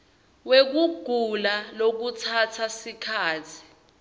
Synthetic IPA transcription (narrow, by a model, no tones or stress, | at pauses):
wek̬uɡ̥ʱulalok̬utʰatʰasikʰaːtʰi̥